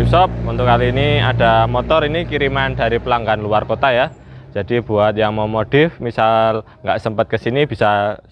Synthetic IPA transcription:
usɔp̚unt̪ʊʔkaliːniad̥a̤mɔt̪ɔɾinikiɾimanda̤ɾipəlaŋɡanluarkot̪ajḁ | d͡ʒ̥ad̥ib̥ṳat̪̚jaŋmamod̥ɪfmisal | ŋɡaʔsəmpət̪̚kəsinib̥i̤sa

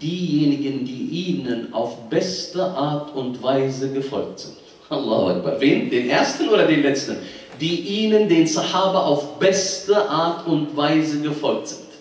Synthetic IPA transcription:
d̥iːjeːnɪɡəndiːʔiːnənʔa̰ʊfb̥ɛstəʔaɐtʰʊntv̥aɪzəɡəfɔ̰lk̚tz̥ɪ̰nt | ʔalˠːɑ̰ːhʊ̰ʔa̰k̚b̥a̰ʁveːndeːnʔeːɐstn̩ʔoːɾɐdeːnlɛt͡stən̩ | d̥iːʔiːnəndeːnsaħaːbɐʔaʊfb̥ɛstəʔaːɐtʊntv̥aɪzəɡəfɔlk̚tz̥ɪnt

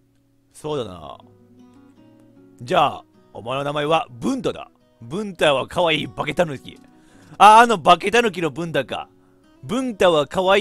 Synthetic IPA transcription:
so̞ːd̪ana̰ | d͡ʑaː | o̰maenonamaeβabɯ̟̃nt̪ad̪a̰ | bɯ̟̃nt̪aβakʰaβaiːbake̞t̪anokʲḭ | aːno̞bake̞t̪anok̬ʲino̞bɯ̟̃nt̪aka̰ | bɯ̟̃nt̪aβakaβai

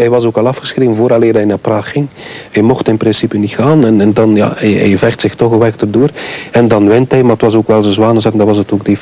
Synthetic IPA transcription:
ɦɛjʋɑzoːkɑlˠɑfxə̥sxreːvənvoːɾɑleːrɛjnaːpraːxːɪŋhɛjmɔxtɪnprɪnsipənixaːnɛnɛndɑnja̰ːɛɛ̰jvɛχtsɪxtɔxəʋɛktərdoːrɛndɑnʋɪntɦɛjmaːətwɑzoːkʋɛlˠzəzwaːnəzaːkndɑʋɑszətoːɡ̚dif

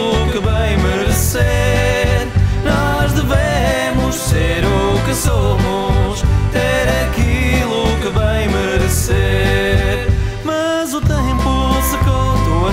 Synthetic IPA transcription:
ukɨvɐ̃j̃mɨɾse | ɾnɔʒd̪ɨve | mʊʃseɾukɨsomuʃt̪eɾɐkilˠukɨvɐ̃j̃mɨɾɨseɾ | mɐzut̪ẽmpusɨkõd̪uɐ

